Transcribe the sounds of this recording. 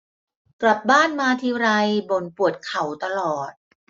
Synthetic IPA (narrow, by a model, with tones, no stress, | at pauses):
kla˨˩p̚baː˥˩nmaː˧t̪ʰiː˧ɾa˧jbo˨˩˦npu˨˩ət̪̚kʰa˨˩˦wt̪a˧lɔː˨˩t̪̚